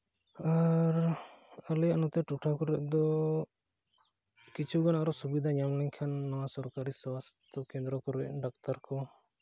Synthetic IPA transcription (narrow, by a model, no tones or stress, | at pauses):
aɾalɛjaʔnɔt̪ɛʈuʈʰakɔɾɛʔd̪ɔ | kit͡ʃʰuɡɔnaʔɾɔsubid̪ʱaɲamlɛŋkʰanːɔwasɔɾkaɾiswast̪ɔkɛnd̪ɾɔkɔɾɛ̰ʔɖak̚t̪aɾkɔ